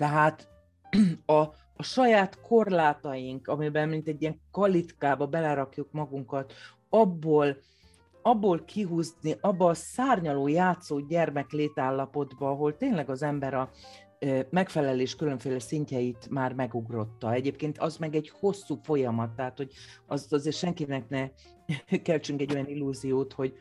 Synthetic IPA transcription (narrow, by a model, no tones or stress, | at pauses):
t̪ɛɦaːt̪ | ɒː | ʃɒjaːt̪kʰo̞rlaːt̪ɒjiŋkɒmibɛmmint̪ɛɟːijɛŋkɒlit̪kaːbɒbɛlɛɾɒkjukmɒɡuŋkɒt̪ | ɒbːoːl | ɒbːoːlkʰiɦuzniʔɒbːɒːsaːrɲɒloːjaːt̪soːɟɛrmɛkleːt̪aːlːɒpo̞d̪bɒɒɦo̞lt̪eːnlɛɡɒzɛmbɛɾɒ | mɛkfɛlɛleːʃkyløɱfeːlɛsiɲcɛjit̪maːrmɛɡuɡro̞t̪ːɒɛɟeːp̚keːnt̪ɒzmɛɡɛɟho̞sːuːfo̞jɒmɒt̪ːɛɦaːt̪ho̞ɟɒzt̪ɒzeːrʃɛŋkinɛknɛ | kɛlt͡ʃyŋkɛɟːo̞jɒnilːuːzijoːt̪ho̞ɟ